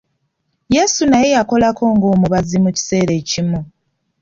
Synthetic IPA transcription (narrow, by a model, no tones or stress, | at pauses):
jeːsunaje̞jako̞lakʰo̞ːŋɡo̞ːmuβazimuci̥se̞ːɾe̞ːcimu